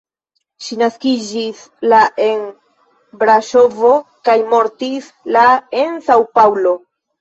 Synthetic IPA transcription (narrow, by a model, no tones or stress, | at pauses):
ʃinaskid͡ʒis | laʔe̞n | bɾaʃo̞vo̞kajmo̞ɾtis | laensawpawlo̞